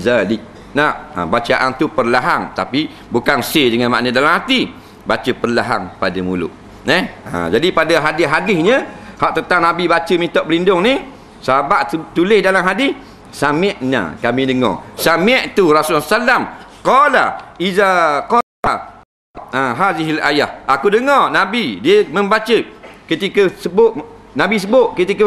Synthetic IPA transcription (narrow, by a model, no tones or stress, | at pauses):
zali | naʔə̰bat͡ʃaʔant̪upərlaɦaŋt̪api | bukansedəŋanma̰ʔnədalamhat̪i | bat͡ʃəpərlaɦaŋpadəmulʊ̰ʔ | nɛhə̰d͡ʒadipadaɦadɪɦadɪhɲəhaʔt̪ənt̪aŋnabibat͡ʃəmint̪ɔʔbəlindʊŋni | səɦabaʔt̪ulɪhdalamɦadɪh | samɛʔna̰kamĩndəŋɔ̰samɛʔt̪urasolasalamqɔla̰izaqɔ | a | aɦaziɦila̰ja̰hakudəŋɔnabidiəməmbat͡ʃəkət̪ikəsəbʊʔ | nabis̬əbʊʔkət̪ikə